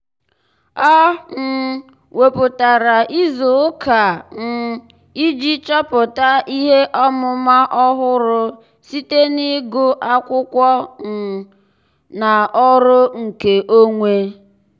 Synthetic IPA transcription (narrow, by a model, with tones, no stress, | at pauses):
ɔ˦n̩˨ | we˨pʊ˨ta˨ɾa˨ʔi˦zʊ˨˦ka˨n̩˨ | i˦d͡ʒi˦t͡ʃɔ˦pʊ˨ta˦i˦ɦe˦ʔɔ˦mʊ˦ma˦ʔɔ˦ɦʊ˦ɾʊ˦ | si˦te˦ni˦ɡʊ˦ʔa˦kʷʊ˦kʷɔ˦n̩˨ | na˨ɔ˦ɾʊ˦ŋ̩˨ke˨ʔo˦ŋʷe˦